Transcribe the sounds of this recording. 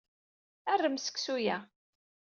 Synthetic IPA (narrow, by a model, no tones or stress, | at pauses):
ærːəmsə̥kːsujæ